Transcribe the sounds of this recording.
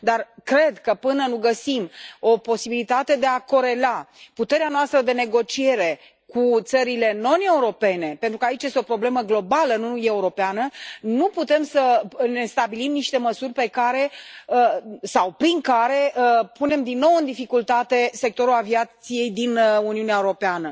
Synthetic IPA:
d̪arkɾe̞d̪kəpɨnənuɡəsimo̞po̞sibilit̪at̪e̞d̪e̞ako̞ɾe̞laput̪e̞ɾeanoast̪ɾəd̪e̞ne̞ɡo̞t͡ʃie̞ɾe̞ | kut̪səɾile̞no̞ne̞uɾo̞pe̞ne̞pent̪ɾukəait͡ʃjest̪eopɾo̞ble̞məɡlo̞balənueuɾo̞peanənuput̪e̞msəne̞st̪abilimniʃt̪e̞məsurʲpe̞kaɾe̞ | sawpɾiŋkaɾe̞əpune̞md̪inːo̞wɨnd̪ifikult̪at̪e̞se̞k̚t̪o̞ɾulaviat̪sije̞jd̪inuniuneaeuɾo̞peanə

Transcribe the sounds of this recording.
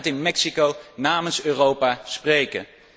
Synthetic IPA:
tɪnmɛksikownaːmənsøːrowpaːsprejkə̰

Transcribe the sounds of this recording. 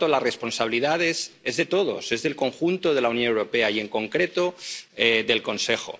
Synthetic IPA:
olare̞spo̞nsaβ̞iliðað̞e̞se̞zðe̞t̪o̞ð̞o̞̰se̞zðelko̞ŋxunt̪oðe̞launjonewɾope̞aie̞ŋkõ̞ŋkɾe̞t̪o̞eðe̞lko̞nse̞xo̰

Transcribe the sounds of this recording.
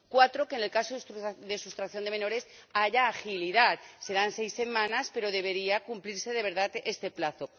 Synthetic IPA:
kwat̪ɾo̞kene̞lkasoððe̞sust̪ɾakθjo̞nd̪e̞mẽno̞ɾe̞s | aʝaːxiliðat̪se̞ɾanse̞jse̞mãnaspe̞ɾo̞ðe̞β̞e̞ɾiakumpliɾse̞ðe̞β̞e̞ɾðat̪e̞st̪e̞plaθo̞

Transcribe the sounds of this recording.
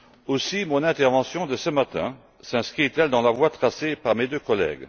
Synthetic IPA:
osimɔ̃nɛ̃t̪ɛʁvɑ̃sjɔ̃d̪əsəmat̪ɛ̃ | sɛ̃skχit̪ɛld̪ɑ̃lavwat̪χasepaʁmed̪økɔlɛ̰ɡ

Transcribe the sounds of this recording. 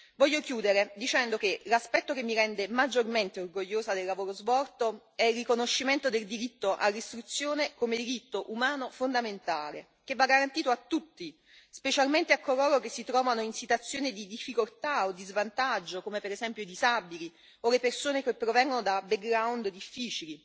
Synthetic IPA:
vɔʎːokjuːd̪eɾed̪it͡ʃɛnd̪ok̟elaspɛt̪ːokemːiɾɛnd̪emad͡ʒːorment̪eorɡoʎːoːzad̪elːavoːɾozbɔrt̪o | ɛilrːikonoʃːiment̪od̪eld̪iɾit̪ːoʔa̰rːist̪ɾut̪sːjoːnekomed̪iɾit̪ːoʔumaːnofond̪ament̪aːle | k̟evːaɡːaɾant̪iːt̪oat̪ːut̪ːi | spet͡ʃalment̪eakːoloːɾokesːit̪ɾɔːvanoinsit̪wat̪sːjoːnid̪id̪ifːikolt̪aod̪izvant̪ad͡ʒːokomepeɾezɛmpjoid̪izabili | olepersoːnekepːɾovɛŋɡonod̪abeɡɡɾawnd̪d̪ifːiːt͡ʃili

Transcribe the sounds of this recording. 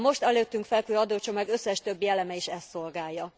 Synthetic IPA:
mo̞ʃt̪ɛløːt̪ːyŋkfɛlkøːɒd̪oːt͡ʃo̞maːɡøsːɛʃt̪ø̞bjɛlɛmɛiʃɛst̪ːo̞lɡaːjːɒ

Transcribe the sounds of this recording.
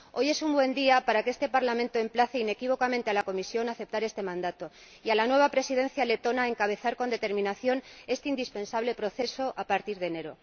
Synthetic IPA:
o̞je̞sumbwe̞nd̪iapaɾakee̞st̪e̞paɾlamẽnt̪oe̞mplaθe̞ine̞kiβo̞kamẽ̞nt̪ealako̞misjo̞naθe̞p̚t̪aɾe̞st̪e̞mãnd̪at̪o̞ | ialanwe̞β̞apɾe̞sið̞ẽ̞n̟θjale̞t̪o̞nae̞ŋkaβ̞e̞θaɾkond̪e̞t̪e̞ɾmĩnaθjo̞ne̞st̪eind̪ispe̞nsaβ̞le̞pɾo̞θe̞so̞ʔapaɾt̪iɾðene̞ɾo̞̰

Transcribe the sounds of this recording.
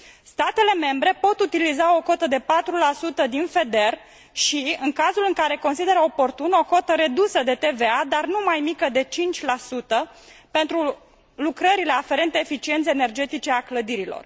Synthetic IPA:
st̪at̪e̞le̞me̞mbɾe̞po̞t̪ut̪ilizao̞ko̞t̪əd̪e̞pat̪ɾulasut̪əd̪infe̞d̪e̞r | ʃiɨŋkazulɨŋkaɾe̞ko̞nsid̪e̞ɾəo̞po̞rt̪uno̞ko̞t̪əɾe̞d̪usəd̪e̞t̪e̞ve̞ad̪arnumajmikəd̪e̞t͡ʃint͡ʃʲlasut̪əpe̞nt̪ɾu | lukɾəɾile̞afe̞ɾe̞nt̪eːfit͡ʃie̞nt̪seene̞rd͡ʒe̞t̪it͡ʃe̞akləd̪iɾilo̰r

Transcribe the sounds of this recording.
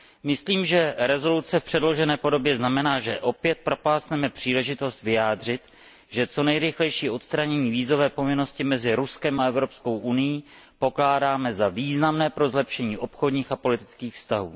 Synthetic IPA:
mɪsliːmʒɛɾɛzo̞lut͡sɛfpr̥ɛdlo̞ʒɛnɛːpo̞do̞bjɛznamɛnaːʒɛʔo̞pjɛt̪̚pɾo̞paːsnɛmɛpr̥iːlɛʒɪt̪o̞st̪vɪjaːd̪r̝ɪt̪ | ʒɛt͡so̞nɛjɾɪxlɛjʃiːʔo̞t̪st̪ɾaɲɛɲiːviːzo̞vɛːpo̞vɪno̞scɪmɛzɪɾuskɛmaɛvɾo̞psko̞wʔunɪjiː | po̞klaːdaːmɛzaviːznamnɛːpɾo̞zlɛpʃɛɲiːʔopxo̞dɲiːxapo̞lɪt̪ɪ̥t͡skiːxfst̪aɦṵː

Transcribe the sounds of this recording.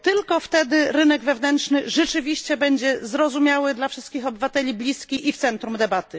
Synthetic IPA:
t̪ɘlkɔft̪ɛd̪ɘɾɘnɛɡvɛvnɛntʂnɘʐɛt͡ʂɘvʲiɕt͡ɕɛbɛɲd͡ʑɛzɾɔzumʲjawɘd̪lafʂɘst̪kʲixɔbɘvat̪ɛlʲiblʲiskʲiʔift̪sɛnt̪ɾumd̪ɛbat̪ɘ

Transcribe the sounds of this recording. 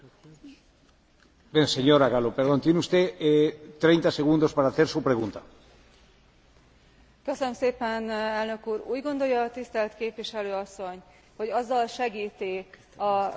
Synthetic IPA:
beŋseɲoɾaɣalopeɾðont̪jenust̪et̪ɾejnt̪aseɣund̪ospaɾaːθeɾsupɾeɣunt̪a | køsønømseːpɛnɛlnø̞kuːɾuːɟɡo̞nd̪o̞jɒːt̪ist̪ɛlt̪keːpʋiʃɛløːɒsːo̞ɲ | ho̞ɟɒzːɒlʃɛɡiːt̪i | ɒ

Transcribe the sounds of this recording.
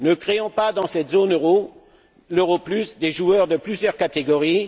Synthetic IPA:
nəkχeɔ̃pad̪ɑ̃sɛt̪zonøʁo | løʁoplysd̪eʒuœʁd̪əplyzjœʁkat̪eɡɔʁi

